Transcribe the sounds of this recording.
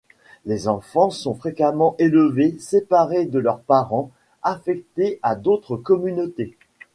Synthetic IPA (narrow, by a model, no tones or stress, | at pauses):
lezɑ̃fɑ̃sɔ̃fχekamɑ̃ʔeləvesepaʁed̪əlœʁpaʁɑ̃ | afɛk̚t̪ead̪ot̪χəkɔmynot̪e